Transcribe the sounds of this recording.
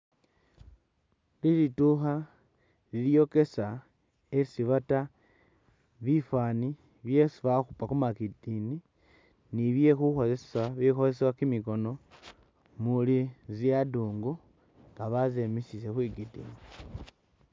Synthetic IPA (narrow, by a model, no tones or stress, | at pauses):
lilituxa | liljo̞ke̞sa | esiβata | βifani | βjesiβaxupakumakidini | niβje̞xuxo̞lesesaβixo̞zesewakimiko̞no̞ | muliziaduːŋɡu | ŋɡaβazemisisexwiɡidḭni